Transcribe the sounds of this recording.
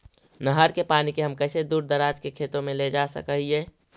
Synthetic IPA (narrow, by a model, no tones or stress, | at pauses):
nəɦəɾkepaːnikeɦəmkɛɪsed̪uːɾd̪əɾaːd͡ʒkekʰeːt̪õmẽled͡ʒaːsə̰kəɦie